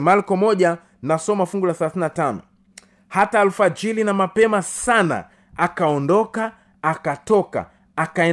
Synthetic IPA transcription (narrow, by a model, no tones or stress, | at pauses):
malkɔmɔʄa | nasɔmafuŋɡulaθalaθininatanɔ | hataːlufad͡ʒilinamapɛmasana̰ | akaɔndɔkaː | katɔka̰ | akaɛ